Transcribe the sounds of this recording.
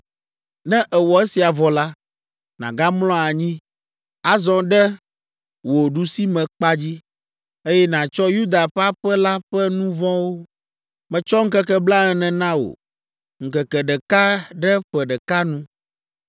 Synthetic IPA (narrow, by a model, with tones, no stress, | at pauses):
nɛ̃˦ʔɛ˨wɔ˨e˦si˨a˨vɔ˨la˦ | nã̰˨ɡa˦mlɔ̃˦a˨ɲĩ˦ | a˦zɔ̃˨ɖɛ˦ | wo˨ɖu˨si˦mɛ̃˨k͡pa˦d͡ʑi˦ | e˦jɛ˦nã˨t͡ʃɔ˦ju˦d̪a˨ɸa˦ɸɛ˦la˦ɸɛ˦nũ˦vɔ̃˦wo˦ | mɛ̃˨t͡ʃɔ˦ŋ̩˦kɛ˦kɛ˦bla˦ɛ˨nɛ̃˨nã˦wo̰˨ | ŋ̩˨kɛ˨kɛ˨ɖɛ˨ka˦ɖɛ˦ɸɛ˨ɖɛ˨ka˦nũ˦